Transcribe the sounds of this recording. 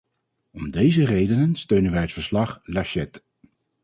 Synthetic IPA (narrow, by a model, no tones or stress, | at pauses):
ɔmdejzərejdənənstøɥnənʋɛjətfəɹslɑχlaʃɛt